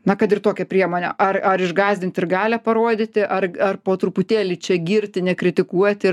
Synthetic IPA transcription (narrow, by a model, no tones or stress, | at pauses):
nɐkɐt̪ɪrt̪oːkʲɛpʲɾʲiɛmoːnʲɛ̰ʔɐrɐɾɪʒɡɑːzʲdʲɪnʲt̪ʲɪrɡɑːlʲɛpɐɾoːd̪ʲɪt̪ʲɪʔɐrɐrpoːt̪ɾʊpʊt̪ʲeːlʲɪt͡ʃʲɛɡʲiːɾʲt̪ʲɪnʲɛkɾʲɪt̪ʲɪkuɔt̪ʲɪ